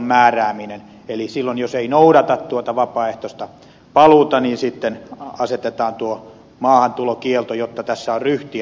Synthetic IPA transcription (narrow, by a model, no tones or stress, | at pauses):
mmæːræːminen | elisilːonjoseinoudɑt̪ɑt̪t̪uot̪ɑʋɑpɑːeht̪ost̪ɑ | pɑluːt̪ɑniːnsit̪ːenɑset̪et̪ɑːnt̪uo | mɑːhɑnt̪ulokielt̪ojot̪ːɑt̪æsːæorryht̪i